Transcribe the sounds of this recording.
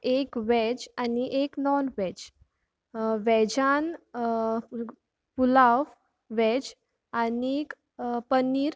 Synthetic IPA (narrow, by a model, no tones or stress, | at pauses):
ekʋɛd͡ʑaniʔeknɔnʋɛd͡ʑ | ʋɛd͡ʑan | pulaʋ | ʋɛd͡ʑ | anek | pənːiːɾ